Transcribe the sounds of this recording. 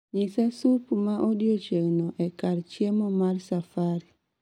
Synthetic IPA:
ɲisasupmaʔodiot͡ʃeŋnɔʔɛkaɾt͡ʃjemɔmarsafaɾi

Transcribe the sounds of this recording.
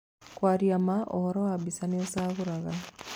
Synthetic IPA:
kwaɾjamaʔɔ̰hɔɾɔwabisaneosaːɣuɾaɣa

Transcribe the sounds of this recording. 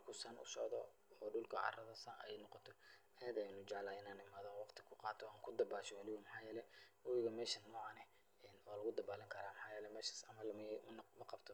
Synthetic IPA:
ʊlkʰʊsɐnʔʊ̰sɔʕd̪ɔ̰ | ɔːɖʊlkʰɐ̰ʕɑ̰rɐðɐsɐnʔɛjnɔqɔt̪ʰɔ | ɐjɛd̪ɛjnʊd͡ʒɛʕlaːɪnaːnɪmaːðɔwɑqt̪ʰɪ̥kʰʊqɑːt̪ʰɔaːŋkʰʊd̪ɐbaːʃɔɑlɪɣɔmɐħɑːjɛːlɛwʊwɪɣɐmɛːʃɐnːɔːʕɑnɛ | ɛːnɔːlɐɣʊd̪ɐbaːlɪŋkʰɐɾaːmɐħɑːjɛːlɛmɛːʃḁsɐmɐlmmɐnmɐqɑbt̪ʰɔ

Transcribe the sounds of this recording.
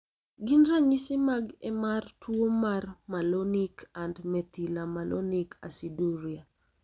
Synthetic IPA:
ɡinɾaɲisɪmaɡɛmartwomarmalonikʰandmɛt̪ilamalʔo̰nikʰa̰siduɾia

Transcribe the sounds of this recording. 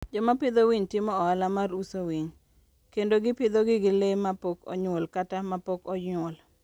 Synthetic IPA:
d͡ʒɔmapɪd̪owiɲtɪmɔɔalamarusowiɲ | kendoɡɪpɪd̪oɡɪɡɪlemapokɔ̰ɲwolkatamapokɔɲol

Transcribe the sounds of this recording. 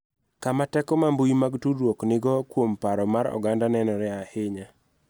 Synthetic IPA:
kamatɛkɔmambujmaɡtudwoknɪɡɔkwompaɾɔmaɾɔ̰ɡandanɛnɔɾɛahɪɲa

